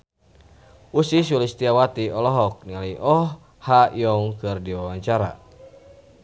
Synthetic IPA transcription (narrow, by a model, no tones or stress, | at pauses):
usis̬ulist̪iawat̪iɔlɔɦɔk̚nialiʔɔh | hajɔŋkɨrdiwawaɲt͡ʃaɾa̰